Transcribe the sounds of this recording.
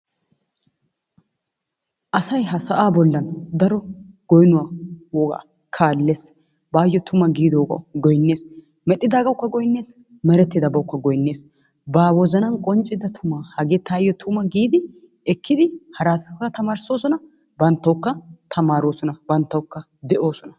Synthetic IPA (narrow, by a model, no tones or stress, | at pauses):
ʔɐsɐjɦɐsɐʔaːbɔlːɐnd̪ɐɾɔɡ̥ɔjnʊwaːwɔɡa̰ | kʰaːlːe̞ːs | baːjːɔt̪ʰʊmɐɡiːd̪owkɐ̰ɡɔjnːe̞ːs | mɛɗːɪd̪aːɡɐwkːɐɡɔjnːe̞ːs | mɛɾɛt̪ːɪd̪ɐbɐwʊkːɐɡɔjnːe̞ːs | baːwɔzɐnɐnkʼɔnt͡ʃʼːɪd̪ɐt̪ʰʊmaːhɐɡet̪aːjːɔt̪ʰʊmɐɡiːd̪ɪ | ɛkʰːɪd̪ɪhɐɾaːt̪ɐkːɐt̪ɐmaːɾso̞ːsɔnɐ | bɐnt̪ːɐwkːɐt̪ʰɐmaːɾoːsɔnɐbɐnt̪ːɐwkːɐ | d̪ɛʔo̞ːsɔnɐ